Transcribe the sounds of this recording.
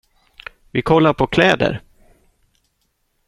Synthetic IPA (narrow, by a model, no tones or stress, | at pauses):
vɪkʰɔlːaɾpʰɔkʰlɛːd̪ə̰ɾ